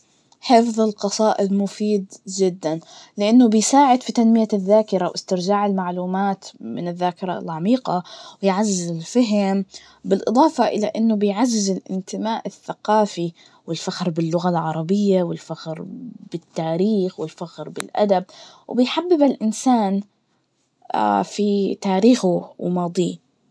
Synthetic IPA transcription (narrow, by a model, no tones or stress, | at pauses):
ħɪfðˤɪlqɑsˤɑːʔɪd̪mʊfiːd̪d͡ʒɪd̪ːanlɪʔanːʊbɪjsaːʕɪd̪fit̪anmɪjaðːaːkɪɾawʔɪst̪ɪɾd͡ʒaːʕɪlmaʕluːmaːt̪mɪ̰nɪðːaːkɪɾˤɑ̰lʕamiːqɑwɪjʕazːɪzɪlfaɦɪm | bɪlʔɨ̰d̪ˤɑːfɑʔɪlaʔɪnːʊbɪjʕazːɪzɪlʔɪ̰nt̪ɪmaːʔɪθːaqɑːfi | wɪlfaxɾbɪlːʊɣalʕɑɾˤɑbɪjːawɪlfaxɾb̥ɪt̪ːaːɾiːxwɪlfaxɾbɪlʔa̰d̪ab̚ | wbɪjħabːɪbalʔɪnsaːn | fit̪aːɾiːxuwmɑːd̪ˤiː